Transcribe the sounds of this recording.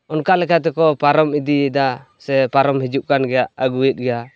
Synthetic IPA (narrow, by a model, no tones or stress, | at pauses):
ɔnkaʔlɛkat̪̬ɛkɔpaɾɔmid̪iɛd̪a | sɛpaɾɔmhɛd͡ʒuʔ̚kanɡɛjaʔəɡuɛt̪̚ɡɛja